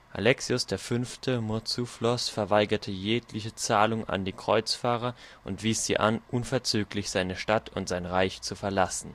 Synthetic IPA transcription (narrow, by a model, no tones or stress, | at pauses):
ʔa̰lɛksiʊsd̥eːɐfʏnftʰəmʊɐt͡suflɔsfɛɐvaɪɡɐtʰəjeːklɪçət͡saːlʊŋʔa̰ndiːkʁ̥ɔʏt͡sfaːʁ̞ɐʔʊntv̥iːsz̥iːʔa̰nʔunfɛɐt͡syːklɪçz̥aɪnəʃtatʰʊntz̥aɪnʁaɪçt͡sufɛɐlasn̩